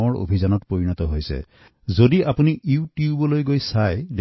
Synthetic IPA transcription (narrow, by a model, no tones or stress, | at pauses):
ɔɹo̰bʱizɔnɔtpoɹinɔtɔɦojsɛ̰ | zodiapuniʔutjubɔlojɡojsajd